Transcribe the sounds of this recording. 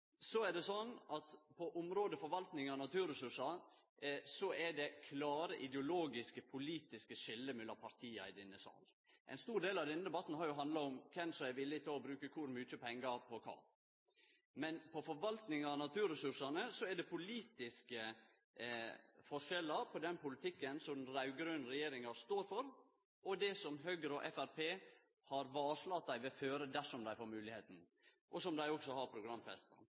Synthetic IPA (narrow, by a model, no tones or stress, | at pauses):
sɔæɖɛsɔnːʔɑt̪pʰɔʔʊmɾoːd̪əfɔɾʋɑlt̪nɪŋɑnɑt̪ʰʉːɾɛsʉʂɑ | sɔʔɛɖɛkʰlɑːɾəʔɪd̪ɛʊloːɡɪskəpʰʊliːt̪ɪskəʂɪlːəmʉlːɑpʰɑɾt̪ʰiːɑ̰ɪd̪ɛnːəsɑ̰ːl | ʔɛ̰ɪnst̪uːɾd̪eːlɑʋd̪ɛnːəd̪ɛbɑt̪ːn̩hɑːɾjʊɦɑnd̪lɑɔmkʰɛmsɔæʋɪlːɪt̪ʰɪlɔbɾʉːkəkʰʊɾmyːt͡ʃəpʰɛŋːɡɑɾpʰɔkʰɑ̰ː | mɛnpʰɔfɔɾʋɑlt̪nɪŋɑnɑt̪ʰʉːɾɛsʉʂɑnəsɔɛɖ̪ɛpʰʊliːt̪ɪskə | fɔʂɛlːəɾpʰɔd̪ɛnpʊlɪt̪ʰɪkːənsɔmnɾɑʉɡɾøːnɾɛjeːɾɪŋɑst̪oːɾfɔɾ | ɔd̪ɛsɔmɦøːɡəɾɔʔɛfæɾpʰeː | hɑɾʋɑːʂlɑt̪̚d̪æɪʋɛføːɾəd̪æʂɔmd̪æɪfoːɾmʉːlɪheːt̪n̩ | ʔɔsɔmd̪æɪɔksɔhɑɾpʰɾʊɡɾɑmfɛ̰st̪n